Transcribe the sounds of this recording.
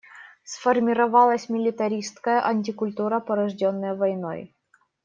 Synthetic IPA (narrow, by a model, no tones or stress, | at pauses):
sfərmʲɪɾɐvɑlˠəsʲmʲɪlʲɪt̪ɐɾʲist̪kəjəʔɐnʲtʲɪkʊlʲt̪uɾəpɐɾɐʐdʲonːəjəvɐjno̰j